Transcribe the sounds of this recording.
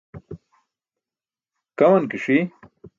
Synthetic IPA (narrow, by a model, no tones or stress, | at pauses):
kɐmɐnkiʂi